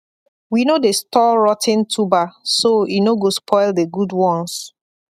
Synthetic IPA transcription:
winodestɔɹɔtʰɪ̃ntʰubasoinoɡospʰɔɪldeɡudwɔ̃ns

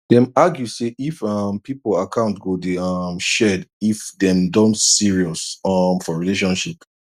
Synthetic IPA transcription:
dɛ̃maɡjuseʔifʌmpipolakʰãʊ̃ntɡodeamʃɛdifdɛ̃mdɔ̃ntsiɹiɔsamfɔɹileʃ̬ɔ̃nʃip

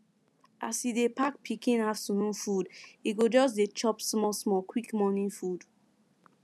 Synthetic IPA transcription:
ʔasidepak̚pʰikĩnafsũnũnfudiɡod͡ʒɔs̬det͡ʃɔpsmɔsmɔkwikmɔnĩfud

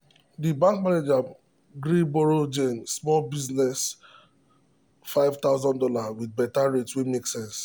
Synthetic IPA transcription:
dibãŋk̚maned͡ʒa | ɡɾibɔɹod͡ʒẽnsmɔlbiznɛs | faɪvt̪aʊzɔ̃ndɔlawid̚bɛtaɹetwemeksɛ̃ns

